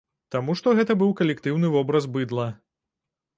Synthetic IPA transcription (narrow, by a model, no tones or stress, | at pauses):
t̪amuʂt̪ɔɣɛt̪ɐbɨwkɐlʲɛkt̪ɨwnɨvɔbɾɐzbɨd̪lˠɐ